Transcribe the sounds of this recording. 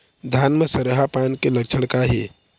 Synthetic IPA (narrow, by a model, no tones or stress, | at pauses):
d̪ʱaːnməsɐɾɦapaːnkelɐkt͡ʃʰəɽ̃kaɦeː